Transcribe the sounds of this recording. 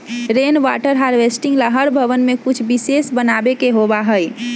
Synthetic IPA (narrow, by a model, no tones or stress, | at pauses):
ɾeːnʋaʈəɾɦaɾʋesʈɪ̃ŋɡlaɦəɾbʱəʋənmẽkʊt͡ʃʰbisesbənaːbekeɦobaɦəj